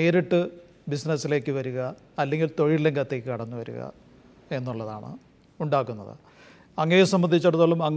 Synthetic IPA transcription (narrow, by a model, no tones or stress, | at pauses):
e̞ːɾiʈːɨ | bisnɐsːile̞ːkːɨʋɐɾuɣɐ | ɐlːe̞ŋɡilt̪o̞ɻileŋɡɐt̪ːeːkːɨkɐɽɐnːuʋɐ̰ɾṵɣɐ̰ | e̞nːuɭːɐða̰ːɳɨ̰ | uɳɖaːk̬ːunːɐ̰ðɨ̰ | ɐŋːɐjosɐmbɐnd̪ʱit͡ɕːɐɽut̪ːoːɭːumɐŋː